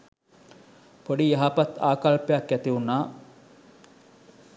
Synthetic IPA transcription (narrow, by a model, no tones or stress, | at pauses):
poɖijaɦapat̪aːkalpejakːjæt̪iunːaː